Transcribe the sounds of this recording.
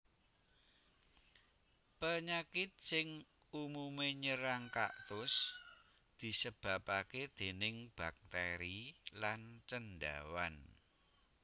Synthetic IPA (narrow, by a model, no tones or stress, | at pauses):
pəɲakɪt̪̚sɪŋ | umumeɲəɾaŋka̰ʔt̪ʊs | d̪̥i̤səb̥a̤paked̪̥e̤nɪŋb̥ak̚t̪eɾilant͡ʃənɖa̰wan